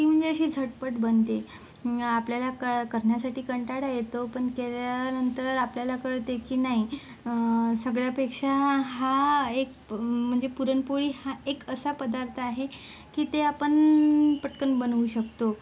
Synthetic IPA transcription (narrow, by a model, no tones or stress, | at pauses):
kiːm̤əɳd͡zeəɕiːd͡zʱəʈpəʈbənt̪e | apljalakəɭkəɾɳjasaʈiːkəɳʈaɽajet̪opəɳkeljanənt̪əɾapljalakəɭt̪ekiːnaɦi | səɡɭjapekʂaɦaek̚ | m̤əɳd͡zepuɾənpoɭiːhaekəsapəd̪aɾt̪ʰaɦe | kiːt̪eapəɳpəʈkəɳbənuɕəkt̪o